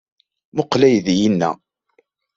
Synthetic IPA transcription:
mʊqlæjðjinːæ̰

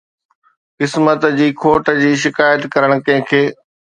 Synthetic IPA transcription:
kɪsmət̪d͡ʑiːkʰoːʈəd͡ʑiːʃ̬ɪkaːjət̪kɐɾəɽ̃kɐ̃ɦɪ̃kʰeː

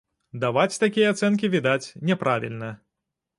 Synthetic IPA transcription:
d̪avat͡sʲt̪akʲijɐat̪sɛnk̬ʲivʲid̪at͡sʲnʲɛpɾavʲḭlʲnɐ

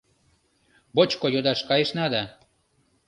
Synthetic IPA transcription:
bot͡ɕkojod̪ɑʃkɑjeʃnɑd̪ɑ

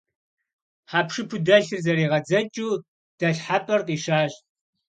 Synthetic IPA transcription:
ħaːpʂɨpʰudɐɬɨrzɐɾiːʁɐd͡zɐt͡ʃʼuː | d̥ɐɬħapʼɐrqʼiːʃaːɕʼ

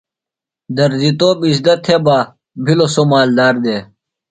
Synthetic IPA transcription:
d̪ɐɾzit̪oːbisd̪ɐt̪ʰːebaː | bʱilosomaːld̪aːɾd̪eː

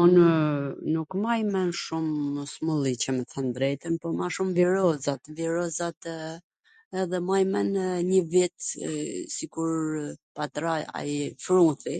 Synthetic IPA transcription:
un | nukmaimɛnʃumsmulˠicəməθɛnd̪ɾɛt̪ənpɔmaʃumviɾɔzat̪viɾɔzat̪ | ɛðɛmajmɛnɲəvit̪ | sikuɾpat̪ɾaa̰jfɾuθi

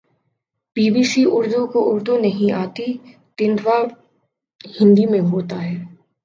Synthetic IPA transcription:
piːbiːsiʊɾd̪ukoʔʊɾd̪unɐɦĩaːt̪i | t̪ɪnd̪ʋaːɾ | hɪ̃nd̪imẽɦoːt̪aɦɛː

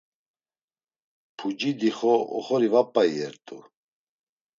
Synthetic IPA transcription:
pʰud͡ʒid̪iχɔɔ̰χɔɾivapʼːaiɛɾt̪ʼu

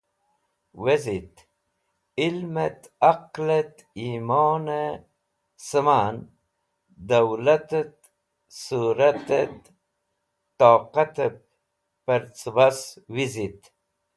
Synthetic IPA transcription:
wezit̪ | ilmet̪ | aqlet̪ | imoːne | səman | d̪awlat̪et̪ | suɾat̪et̪ | oːqat̪əp | pəɾt͡sbaswizit̪

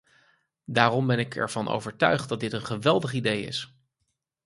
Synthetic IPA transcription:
daːrɔmbɛnɪkʰɛ̰ɹv̥ɑnʔo̰wvəɹtœ̰ɥχt̚dɑt̚dɪtənχəʋɛlˠdəχidejɪ̰s

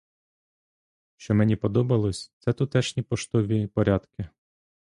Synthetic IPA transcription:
ʃt͡ʃɔmɛnʲipɔd̪ɔbɐlˠɔsʲt̪sɛt̪ʊt̪ɛʃnʲipɔʃt̪ɔʋʲipɔɾʲad̪kɪ

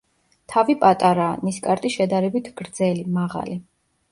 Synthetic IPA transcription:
t̪ʰavipʼat̪ʼaɾaːniskʼaɾt̪ʼiʃɛd̪aɾɛbit̪ʰɡ̥ɾd̪zɛlimaʁa̰li

